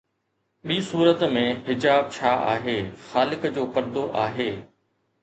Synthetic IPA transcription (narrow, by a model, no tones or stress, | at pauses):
ɓiːsuːɾət̪mẽɦɪd͡ʑaːb̚t͡ɕʰaːʔa̰ːɦeːxaːlɪkd͡ʑoːpɐɾd̪oʔaːɦeː